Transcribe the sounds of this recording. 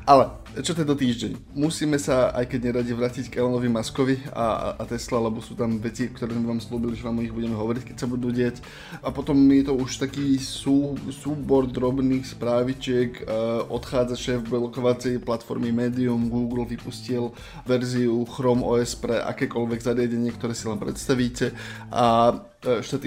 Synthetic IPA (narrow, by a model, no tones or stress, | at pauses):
ʔalɛ | t͡ʃɔt̪ɛt̪ɔt̪iːʒɟɛɲmusiːmɛsaa̰jkɛɟɲɛɾaɟiʋɾaːcickɛlɛnɔʋimaskɔʋia̰at̪ɛslalɛbɔsuːt̪amʋɛt͡sikt̪ɔɾɛːmɛʋaːmsluːbiliʋamɔiɣbuɟɛmɛɦɔʋɔɾickɛcsabud̪uːɟɪac | apɔt̪ɔmjɛt̪ɔuʃt̪akiːsuːsuːbɔɾd̪ɾɔbniːxspɾaːʋit͡ʃɪɛkːʔɔt̪xaːd͡zaʃɛːvbɛlɔkɔʋat͡sɛjplat̪fɔ̰ɾmimɛːd̪iumɡuːɡl̩ʋipuscil | ʋɛɾziuxɾɔmɔ̰ːɛspɾɛʔa̰kɛːkɔlʋɛɡzaɾɪaɟɛɲɪɛkt̪ɔɾɛːsilɛmpɾɛ̰t̪st̪aʋiːcɛ | ʔa | ʃt̪at̪